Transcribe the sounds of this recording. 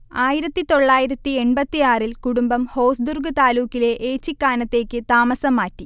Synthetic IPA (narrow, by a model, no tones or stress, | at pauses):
aːjiɾɐt̪ːit̪o̞ɭːaːjiɾɐt̪ːie̞ɳbɐt̪ːijaːrilkuɽumbɐmho̞ːsd̪urɡɨt̪aːluːkːile̞ʔeːt͡ɕːikːaːnɐt̪ːe̞ːkːɨt̪aːmɐsɐmːaːtːi